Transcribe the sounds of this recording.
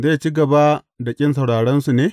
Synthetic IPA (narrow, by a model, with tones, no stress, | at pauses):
zeː˦˨t͡ʃiː˦ɡɐ˨ba˦ | da˨kʲʼɪ˦ns̬ɐ˨wɽaː˨ɽɛ˦nsu˨neː˦